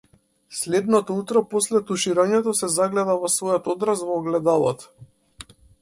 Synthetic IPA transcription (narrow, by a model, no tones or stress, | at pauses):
slɛd̪nɔt̪ɔut̪ɾɔpɔslɛt̪uʃiɾaɲɛt̪ɔsɛzaɡlɛd̪avɔsvɔjɔt̪ɔd̪ɾasvɔɡlɛd̪alˠɔt̪